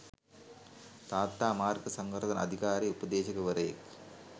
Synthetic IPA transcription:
t̪aːt̪ːaːmaːrkɐsɐŋɡɐɾɐðɐnɐ̰d̪ʱiɣaːɾiupɐd̪eːɕɐɣɐʋɐɾɐjɐ̰k

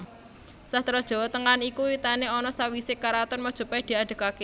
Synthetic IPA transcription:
sat̪ɾɔd̥ʒ̥ɔ̤wɔt̪əŋanikuwit̪aneɔnɔsawisɪkaɾat̪ɔrmɔd̥ʒ̥ṳpad̪̥i̤aɖ̥ə̤kake

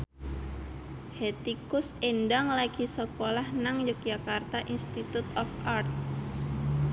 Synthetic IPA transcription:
het̪ikʊsendaŋlaɡisəkolahnaŋd͡ʒʊk̚d͡ʒakart̪aʔinst̪it̪ut̪ɔfʔart̪̚

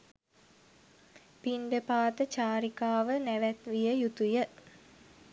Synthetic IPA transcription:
piɳɖəpaːt̪ət͡ʃaːɾikaːʋənæʋæt̪ʋijəjut̪ujə

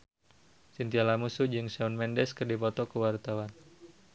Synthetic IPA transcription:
sint̪ialamusud͡ʒɨŋsaunmɛndɛskərdipɔt̪ɔkəwart̪awan

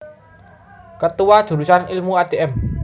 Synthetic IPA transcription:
kət̪uwad̥ʒ̥ṳɾusanilmuad̪̥eʔɛm

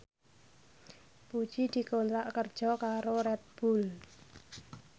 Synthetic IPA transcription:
pu̥ʒ̥id̪̥i̤kont̪ɾaʔkərd̥ʒ̥ɔ̤kaɾoɾɛt̪̚b̥ul

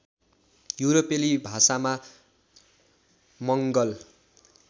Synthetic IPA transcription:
juɾopelibʱasama | mʌŋɡʌl

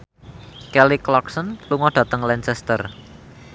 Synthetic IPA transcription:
kɛliklɔksənluŋɔɖ̥ä̤t̪əŋlɛnsɛst̪ər

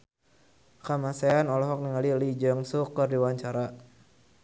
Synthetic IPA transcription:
kamasaanɔlɔɦɔk̚niŋalilid͡ʒaŋsukərdiwaɲt͡ʃaɾa

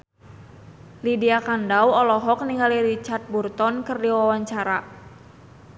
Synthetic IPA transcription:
lidiakandawɔlɔɦɔk̚niŋɡaliɾit͡ʃart̪̚burt̪ɔnkɨrdiwawaɲt͡ʃaɾa

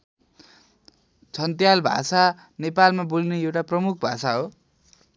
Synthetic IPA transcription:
t͡sʰʌnt̪jalbʱa̰sa | nepalmabulineewʈaprʌmuk̚ʰbʱasaɦo

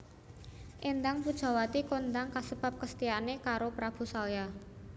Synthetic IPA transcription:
ʔend̪aŋpud̥ʒ̥a̤wat̪ikond̪aŋkasəb̥a̤p̚kəst̪ianekaɾopɾab̥ṳsalja

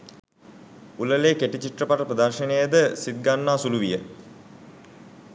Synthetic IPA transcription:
uləleːkeʈit͡ɕiʈrəpaʈəpɾəd̪arʃənejəd̪əsid̪̚ɡanːaːsuluʋijə

